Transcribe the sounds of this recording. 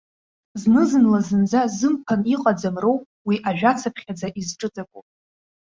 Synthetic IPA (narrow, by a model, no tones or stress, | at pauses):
znɨzɨnlazɨnd͡zazɨmpʰaniqʼad͡zamrowpʼwiʔaʒᶣat͡sʰapʰχʲad͡zaʔizʈ͡ʂʼɨt͡sʼakʷʼu